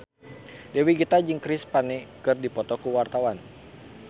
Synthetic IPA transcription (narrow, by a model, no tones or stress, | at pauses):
dɛwiɡit̪ad͡ʒɨŋkɾɪspanɛkɨrdipɔt̪ɔkuwart̪awan